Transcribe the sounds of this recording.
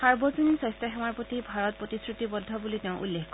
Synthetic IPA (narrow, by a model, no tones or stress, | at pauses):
aɹbɔzɔnisɔ̃jstaxɛmaɹpotibʱaɹɔt̚pɹotiskɹutibɔdʱɔbuliteʊ̃ʔṵlːekkɔ